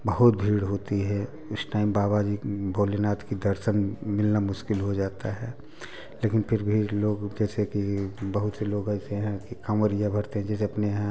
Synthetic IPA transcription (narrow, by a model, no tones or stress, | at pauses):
bɐɦʊt̪̚bʱiːɽɦoːt̪iɦɛ | ʊsʈaːɪmbaːbad͡ʒibʱoːlenaːt̪kid̪ɐɾʃənmɪlnamʊʃkɪlɦod͡ʒaːt̪aɦɛ | leːkɪnpʰɪɾbʱiloːɡd͡ʒɛːsekibɐɦʊt̪seloːɡɐːseɦɛ̃kikaməɾijabʱɐɾt̪eɦɛ̃d͡ʒɛːs̬eɐpneɦɛ̃